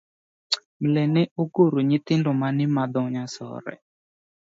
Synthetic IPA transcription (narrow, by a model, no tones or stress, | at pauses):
mlɛnɪʔoɡoɾoɲɪt̪ɪndɔmanɪmad̪ɔɲasɔ̰ɾɛ̰